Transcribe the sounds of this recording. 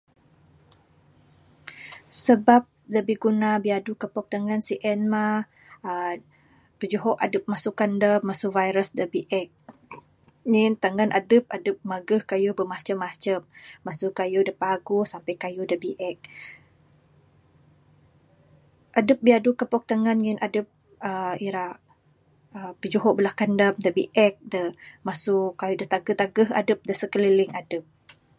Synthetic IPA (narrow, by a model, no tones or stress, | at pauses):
səbap̚dəbiɡunabiadukəpɔk̚t̪aŋansiʔɛnma | pəd͡ʒuɦɔʔadəp̚masukandəmasuvajɾəsdəbiʔɛk̚ | ɲint̪aŋanʔadəp̚adəp̚maɡəhkajubəmat͡ʃəmːat͡ʃəmːasukajudəpaɡusampəjkajudəbiʔɛk̚ | ʔadəp̚biadukəpɔk̚t̪aŋanŋinʔadəp̚ | əiɾa | əpəd͡ʒuɦobəlahkandəmdəbḭʔɛk̚dəmasukajudət̪aɡət̪aɡəha̰dəp̚dəsəkəliliŋadəp̚